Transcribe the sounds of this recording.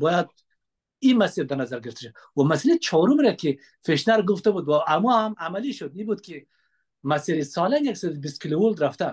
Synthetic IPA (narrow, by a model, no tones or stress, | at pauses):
bɔjad̪̚ | imasiɾd̪aɾnazaɾɡɪɾɪft̪ḁʃabwamasalet͡ʃʰɔɾumɾaki | feʃnaɾɡʊft̪abud̪waamuhamamaliʃʊd̪ibud̪̚kʰi | masiɾisɔlanjaksad̪ubist̪̚kʰilowold̪ɾaft̪a